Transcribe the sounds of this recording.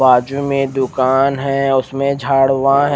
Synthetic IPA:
aːd͡ʒumẽd̪ʊkaːnɦɛ̃ʊsmẽd͡ʒʱaːɽʋãɦɛ̃

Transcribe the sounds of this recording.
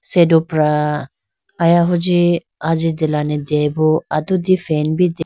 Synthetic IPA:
sedopɾa | ajaɦʊd͡ʒi | ad͡ʒid̪elanɛd̪ɛboat̪ud̪ifɛnbid̪

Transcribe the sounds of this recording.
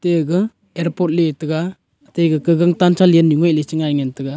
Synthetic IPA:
teɡɯ | eɾpɔt̚litɯɡa | tejɡɯkɯɡaŋtant͡ʃʰalijenjiŋɔjlisiŋajŋentɯɡa

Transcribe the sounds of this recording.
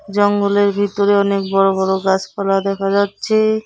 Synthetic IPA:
d͡ʑɔŋɡoleɾbʱit̪oɾeɔnek̚bɔɾobɔɽoɡat͡ɕpɔlad̪ɛkʰad͡ʑatːɕʰe

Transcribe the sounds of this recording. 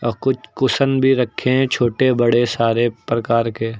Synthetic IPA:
ɔkʊt͡ʃʰkʊsənbʱiɾɐkʰːeɛ̃t͡ʃʰoːʈebəɽesaːɾepɾɐkaːɾkeː

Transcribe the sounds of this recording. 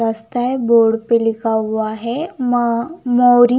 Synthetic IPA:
əst̪ajeboɽpelikaʋaɦe | mɔwɾi

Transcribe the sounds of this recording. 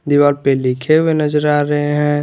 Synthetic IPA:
d̪iʋaːɾpelikʰewenəd͡ʒəɾaːɾəɦeɦɛ̃

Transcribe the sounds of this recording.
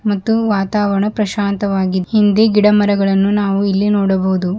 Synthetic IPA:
mɐt̪ːuʋaːt̪aːʋɐɾɳɐpɾɐʃaːnt̪ɐʋaːɡihind̪eɡiɽɐmɐɾɐɡɐɭɐnːunaːʋuilːinoːɽɐbɐɦud̪u

